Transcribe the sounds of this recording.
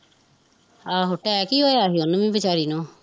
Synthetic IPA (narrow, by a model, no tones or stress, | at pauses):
aːɦoʈɛɛːkiːɦoːeaːɦiːʊnmĩːbət͡ʃaːɾiːnõː